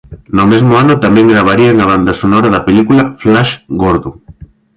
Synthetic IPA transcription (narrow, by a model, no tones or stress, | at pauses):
nʊmezmʊanʊt̪amɛ̃ŋɡɾaβ̞aɾiaŋaβ̞and̪asonoɾaðɐpeʎikulaflaʃɡoɾðuŋ